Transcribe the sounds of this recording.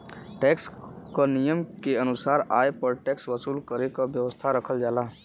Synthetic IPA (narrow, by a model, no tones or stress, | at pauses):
ʈɛkskənijəmkeənusaɾaepəɾʈɛksʋəsulkəɾekəbjəʋəst̪ʰaɾəkʰəld͡ʒala